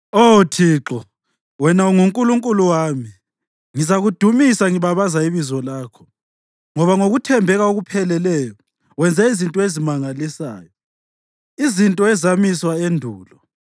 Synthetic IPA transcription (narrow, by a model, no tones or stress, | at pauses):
otʰiːǁɔ | wɛnauŋuŋkʼuluŋkʼuluwaːmi | ŋizaɣud̥ʱumisaŋiβaβazaiβizɔlaːkʰɔ̥ | ŋɔβaŋoɣutʰɛmbʱɛɣaoɣupʰɛlɛlɛjɔ | wɛnd͡zʱɛizintʼɔezimaŋalisa̰ːjɔ | izintʼɔɛzamiswaendʱuːlɔ